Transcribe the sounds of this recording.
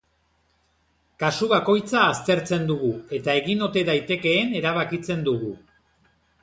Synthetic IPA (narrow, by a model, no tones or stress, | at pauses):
kasuβako̞jt͡saːst̪e̞ɾt͡se̞nd̪uɣue̞t̪ae̞ɣino̞t̪e̞ðajt̪e̞ke̞ːne̞ɾaβ̞akit͡se̞nd̪uɣu